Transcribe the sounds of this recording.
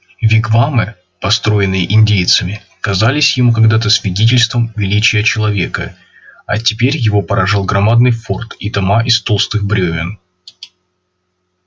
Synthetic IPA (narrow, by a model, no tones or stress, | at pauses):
vʲɪɡvamɨ | pɐst̪ɾo̞jɪnːɨjəʔɪnʲdʲejt̪sɨmʲɪ | kɐzalʲɪsʲjɪmukɐɡd̪at̪əsvʲɪdʲet̬ʲɪlʲst̪vəmvʲɪlʲit͡ɕɪjət͡ɕɪlˠɐvʲe̞kə | ɐ̰tʲɪpʲeɾʲjɪvo̞pəɾɐʐɨlˠɡɾɐmad̪̚nɨjfort̪it̪ɐmaʔɪst̪o̞lˠst̪ɨxbɾʲɵvʲɪn